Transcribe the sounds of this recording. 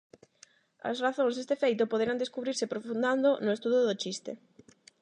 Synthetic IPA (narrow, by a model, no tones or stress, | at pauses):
ɐ̰sraθõŋzðest̪efejt̪ʊpoðeɾand̪eskuβɾiɾsɪpɾofũnd̪and̪onʊest̪uðoðot͡ʃist̪ḛ